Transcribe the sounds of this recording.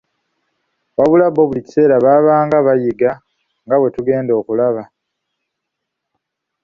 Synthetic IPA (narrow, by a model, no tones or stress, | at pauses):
βaβulaβo̞ːβulici̥se̞ːɾaβaːβaːŋɡaβajiɡa | ŋɡaβwe̞tuɡe̞ːndo̞ːkulaβa